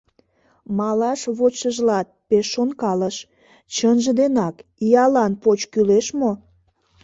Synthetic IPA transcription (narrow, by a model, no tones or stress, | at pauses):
mɑlɑʃβot͡ɕəʒlɑt̪̚peʃːonkɑləʃ | t͡ɕənʒə̆d̪enɑkijɑlɑnpot͡ɕkyleʃmo